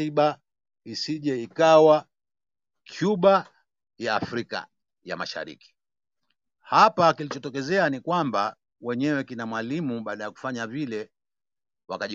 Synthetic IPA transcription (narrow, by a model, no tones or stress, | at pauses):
iɓa | isiʄɛikawa | kʰjuɓa | jaːfɾika̰ | ja̰ma̰ʃa̰ɾḭki̥ | hapakilit͡ʃɔtɔk̬ɛzɛanikwamba | wɛɲɛwɛkinamwalimuɓaːɗajaku̥faɲavilɛ | wakaʄ